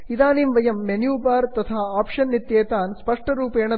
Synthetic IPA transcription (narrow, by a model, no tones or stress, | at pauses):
id̪aːnimʋɐjɐmːenjuːbaːɾt̪ɐt̪ʰaːaːpʂɐnːit̪jeːt̪aːnspɐʂʈɐɾuːpeːɳɐ